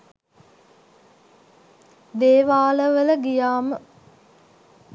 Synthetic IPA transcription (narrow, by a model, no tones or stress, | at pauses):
d̪eːʋaːləʋələɡijaːmə